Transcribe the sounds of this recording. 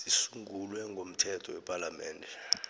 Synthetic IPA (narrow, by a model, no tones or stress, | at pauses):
sisuŋʱulwɛŋʱom̩tʰɛtʰɔwɛpʼalamɛːndʱɛ